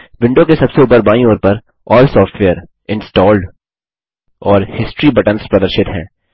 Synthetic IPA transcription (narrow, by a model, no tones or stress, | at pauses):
ʋɪ̃ɳɖõkesɐbseuːpəɾbaːĩoːɾpɐɾ | ɔːlsɔːfʈʋeːəɾ | ɪ̃nsʈɔːlɖ | ɔːɾhɪsʈɾibɐʈənspɾɐd̪əɾʃɪt̪ɦɛ̰̃ː